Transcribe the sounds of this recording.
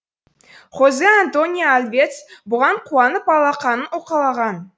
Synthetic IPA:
χozeant̪o̞nʲijaalvʲet̪sbʊʁɑɴqʰuɑnəp̚ɑlˠɑqɑnənoqɑlˠɑʁɑn

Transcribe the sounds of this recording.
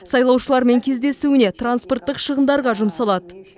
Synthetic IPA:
sɑjlˠɑwʃəlˠɑɾme̞ŋkʲʰe̞zd̪e̞suɪnet̪ransport̪ːəqʃəʁənd̪ɑɾʁɑʒʊmsɑlˠɑd̪ə

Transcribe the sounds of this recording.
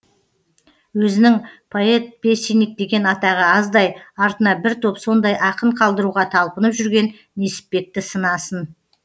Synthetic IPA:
wɵzɪnɪŋpʰo̞e̞t̪̚b̥e̞sinɪk̚d̪e̞ɡʲe̞nɑt̪ɑʁəɑzd̪ɑjɑɾt̪ənɑbɪɾt̪ʰopso̞nd̪ɑjʔɑqəɴqʰɑlˠd̪əɾuʁɑt̪ʰɑlˠpənəpʒʏɾɡʲe̞nːe̞sɪ̥p̚ːe̞k̚t̪ɪsənɑsən

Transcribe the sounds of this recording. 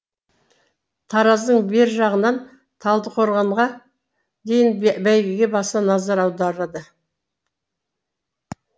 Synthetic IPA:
t̪ʰɑɾɑzd̪əɴbe̞ɾʒɑʁənɑn | t̪ʰɑlˠd̪əqʰoɾʁɑɴʁɑ | d̪e̞jɪnbæjɡʲɪɡʲe̞bɑsɑnɑzɑɾɑwd̪ɑɾɑd̪ə

